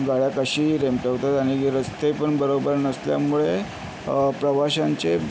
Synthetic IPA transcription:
ɡaɭjakəɕiːɾemʈəɦt̪at̪aɽ̃iɾəst̪epəɳbəɾobəɾnəslja̰muɭe | pɾəʋaɕaɲt͡ɕe

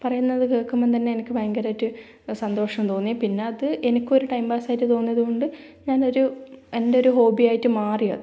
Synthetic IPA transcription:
pɐrɐjunːɐðɨkeːɭkːumːent̪̬ɐnːeenikʲːɨbɐjɐŋɡɐɾaːjitːɨ | sɐnd̪o̞ːʂɐmt̪o̞ːnːijipinːe̞ɐðɨʔe̞nikʲːoɾuʈɐjmbaːsaːjitːɨt̪o̞ːnːijɐðuko̞ɳɖɨ | ɲaːno̞ɾue̞nde̞o̞ɾuɦo̞ːbijaːjitːɨmaːrijɐ̰ðɨ

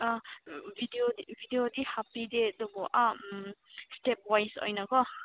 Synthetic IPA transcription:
abʱideodibʱideodihapːidedɔbɔʔamstep̚wajso̰jnakɔ

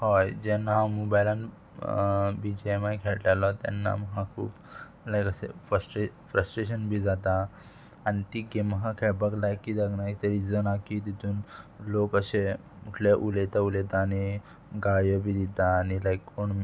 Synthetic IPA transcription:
hɔjd͡ʑɛnãmobajlan | bid͡ʑemajkʰɛɭʈalɔt̪ɛ̰nːa̰məɦãkʰṵːp | ləjkəsḛfəsʈefɾəsʈɾeɕənbʱiːd͡zat̪a | añit̪iɡeməɦãkʰɛɭbəklajkːid̪aɡnajt̪əɾid͡zənakit̪it̪uːnlokəɕe | muʈʰleʔulet̪aulet̪aːni | ɡajəbʱid̪it̪aːnilajkʰːoɳ

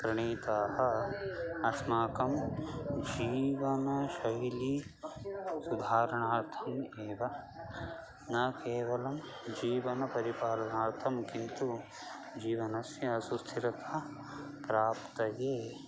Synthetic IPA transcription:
kɾɐɳiːt̪aːɦɐ | ɐsmaːkɐm | d͡ʒiːʋɐnɐʃɐɦli | sud̪ʱaːɾɐɳaːɾt̪ʰɐmeːʋɐ | nɐkeːʋɐlɐm | d͡ʒiːʋɐnɐpɐɾipaːɾɐnaːɾt̪ʰɐmkint̪u | d͡ʒiːʋɐnɐsjɐɐsust̪ʰiɾɐt̪ʰɐ | pɾaːpt̪ɐjeː

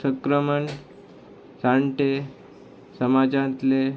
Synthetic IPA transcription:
səkɾəməɳ | sãɳʈe | səmad͡ʑãnt̪le

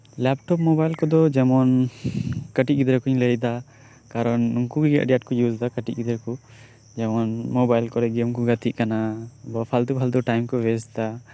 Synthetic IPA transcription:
lɛpʈɔpmɔbajlkɔd̪ɔd͡ʒɛmɔn | kəʈiɡid̪ɾɛkuɲləjd̪a | kaɾɔnŋkuɡɛɡɛ̰ʔɖɛjaʈ̚kɔjuzd̪akəʈiʔ̚ɡid̪ɾɛku | d͡ʒɛmɔnmobajlkɔɾɛɡɛmkɔɡat̪iʔkanabɔpʰald̪ubʰʱald̪ɔʈajmkɔwɛsd̪a

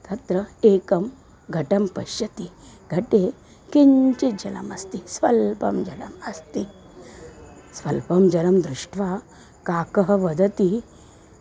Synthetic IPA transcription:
t̪ɐt̪ɾɐekɐm | ɡʱɐʈɐmpɐ̰ɕjɐt̪iɡʱɐʈe | kiɲt͡ʃid͡ʑɐlɐ̰mɐst̪isʋɐlpɐmd͡ʒɐlɐmɐst̪i | sʋɐlpɐmd͡ʒɐlɐmd̪ɾuʂʈʰʋa | kakɐɦɐʋɐd̪ɐt̪i

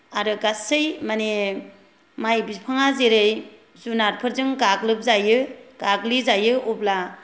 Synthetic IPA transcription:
aɾɯɡasɯjmane | majbipʰaŋazeɾɯj | zunaɾpʰɯɾzɯŋɡaɡlɯp̚zajɯɡ̥aɡlizajɯʔubla

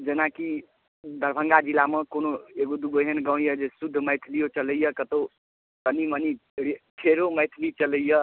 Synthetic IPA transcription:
d͡ʒənaki | d̪ʱəɾbʱəŋɡad͡ʒilaməkonoeɡod̪uɡoɦenɡə̃ʊ̃jəd͡ʒesud̪ʱːməjt̪ʰlijot͡ʃələjəkət̪o | k̪əniməniɾeʈʰeɾoməjt̪ʰlit͡ʃələjə

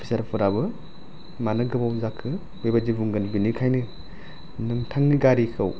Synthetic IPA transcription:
pʰi̥sɐɾpʰuɾabɯ | manɯɡɯbawzakʰːɯ | bejbad͡ʒibuŋɡɯnbinikʰajnɯ | nɯŋtʰaŋniɡaɾikʰɯw

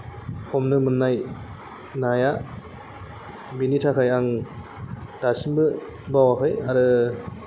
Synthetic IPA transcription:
hʰɔmnɯmɯnːaj | naja | binitʰakʰajaŋ | d̥asinbɯ | bawakʰajaɾɯ

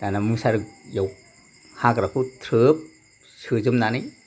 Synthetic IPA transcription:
tanamɯsaɾɯkjaw̚ | hakɾapʰut̪ʰɾɯp̚ | sɯzɯmnanɯj

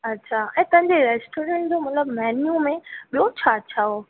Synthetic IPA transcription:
ɐtːɕʰaːɛ̃ːt̪ɐ̃ɦɪ̃ɲd͡ʑeɾɛːsʈoːɾɛ̃ɳʈ̚d͡ʑoːmɐt̪ləbmɛːnjumẽɓijot͡ɕʰat͡ɕʰaɦoː

